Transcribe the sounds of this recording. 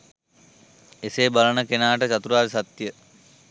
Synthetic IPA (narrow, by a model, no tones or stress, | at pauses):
eseːbalənəkenaːʈət͡ʃat̪uɾaːɾisat̪jə